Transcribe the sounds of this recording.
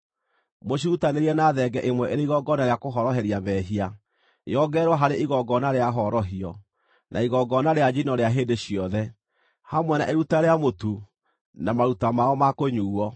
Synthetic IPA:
moɕiutaneɾiɛnaðɛɡɛʔemwɛʔeɾeiɣɔɡɔnaɾeakoɦɔɾɔɦɛɾiaβɛɦia | jɔɡɛːɾwaɦaɾeʔiɣɔɡɔnaɾeaɦɔɾɔɦiɔ | nʔa̰iɣɔɡɔnaɾead͡ʒinɔɾeaɦeːndeɕiɔðɛ | hamwɛna̰ʔeɾutaɾeamotu | namaɾutamaɔmakoɲuːɔ

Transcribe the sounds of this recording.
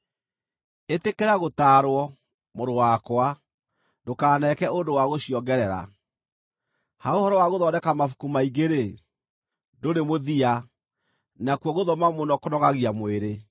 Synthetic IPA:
etekeɾaɣotaɾwɔ | moɾowakwa | dokaːnɛkɛondowaɣoɕiɔɡɛɾɛɾa̰ | haohɔɾɔwaɣoðɔnɛkamafu̥kumaiɡeɾe | doɾemoðia | nakwɔɣoðɔmamonɔkonɔɣaɣiamweɾe

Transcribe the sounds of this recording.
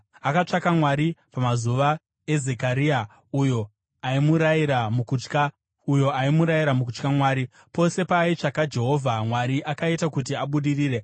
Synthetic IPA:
akat͡ʂakamwaɾipamazuʋa | e̞ze̞kaɾia | ujo̞ | aimuɾaiɾamukut͡ʃka | ujo̞aimuɾajiɾamukut͡ʃkamwaːɾi | po̞se̞pait͡ʂakad͡ʒe̞ɦo̞vʱamwaɾiʔakaitakut̬iaɓuɗiriːre̞

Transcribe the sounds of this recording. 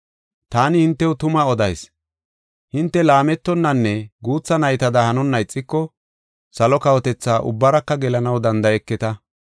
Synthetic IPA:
t̪aːnɪhɪnt̪ːɛwʊt̪ʊmɐɔd̪ɐjs | hɪnt̪ːɛlaːmɛt̪ːɔnːɐnːɛɡuːt͡sːɐnɐjt̪ɐd̪ɐhɐnɔnːɐjɪt͡sʼːɪkːɔ | sɐlɔkɐwɔt̪ɛt͡sːaːʔʊ̰bːɐɾɐkːɐɡɛlɐnɐwd̪ɐnd̪ɐjɛkːɪt̪ɐ

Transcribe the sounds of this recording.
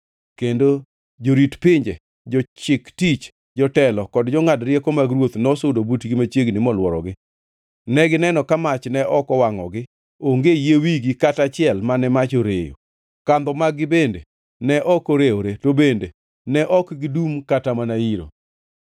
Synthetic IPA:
kendo | d͡ʒoɾitpɪɲd͡ʒe | d͡ʒɔt͡ʃɪktit͡ʃ | d͡ʒɔtɛlɔkɔdd͡ʒɔŋadɾjɛkomaɡɾwot̪nɔsʊdobutɡɪmat͡ʃjeɡnɪmɔlwɔɾɔ̰ɡɪ | nɛɡɪnɛnɔkamat͡ʃnɛʔɔkɔwaŋɔ̰ɡɪ | oŋɡejewiɡikatat͡ʃɪɛlmanɛmat͡ʃoɾejo̰ | kand̪ɔmaɡɪbendḛ | nɛʔɔkoɾeoɾetobende | nɛʔɔkɡɪdumkatamanaiɾo̰

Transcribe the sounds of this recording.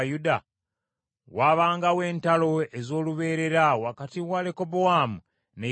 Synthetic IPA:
juda | waβaːŋɡawe̞ːntalo̞ezo̞ːluβe̞ːɾe̞ɾawakatiwalekobowamu | ne

